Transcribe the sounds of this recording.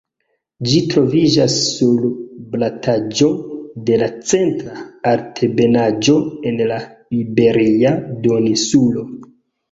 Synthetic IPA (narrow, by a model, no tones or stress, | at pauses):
d͡ʒitɾo̞vid͡ʒasːulblatʰad͡ʒo̞de̞lat͡se̞ntɾaːɾtʰebe̞nad͡ʒo̞e̞nlaibe̞ɾiado̞nisulo̞